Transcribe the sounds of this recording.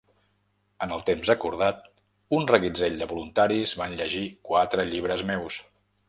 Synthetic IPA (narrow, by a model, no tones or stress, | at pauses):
ənəlˠt̪emzəkuɾð̞at̪̚ | unrəɣid͡zeʎd̪əβulunt̪aɾizβanʎəʒikwat̪ɾəʎiβ̞ɾəzmews